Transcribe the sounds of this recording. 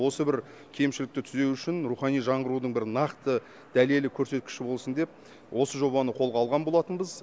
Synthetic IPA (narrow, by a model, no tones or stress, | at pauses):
wosəbɪɾ | kʲʰe̞jmʃɪlɪk̚t̪ɪt̪ʰʏzewʏʃɪnɾuχɑnijʒɑɴʁəɾud̪əɴbɪɾnɑqt̪ə | d̪̥æle̞lɪkʲʰɵɾse̞t̪̚kʲɪ̥ʃɪbo̞lˠsənd̪e̞p̚ | wo̞səʒo̞bɑnəqʰo̞lˠʁɑːlˠʁɑnbo̞lˠɑt̪ənbəz